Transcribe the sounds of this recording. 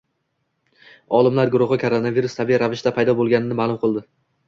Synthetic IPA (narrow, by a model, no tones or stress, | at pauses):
ɒlˠɪmlaɾɡʊɾʊʁɨkʰoɾonaviɾʊst̪ʰabiɾavɪʃt̪apʰajd̪ɒbolˠɡʲanɪnɪmaːlˠʊmqʰɨlˠd̪ɪ